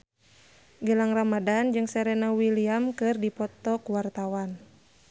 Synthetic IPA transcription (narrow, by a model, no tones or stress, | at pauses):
ɡəlaŋramadand͡ʒɨŋsɛɾɛnawiliamkɨrdipɔt̪ɔkuwart̪awan